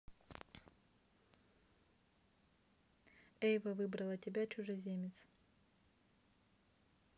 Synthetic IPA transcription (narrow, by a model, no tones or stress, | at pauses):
ɛjvəvɨbɾɐlˠətʲɪbʲat͡ɕʊʐɨzʲemʲɪt̪s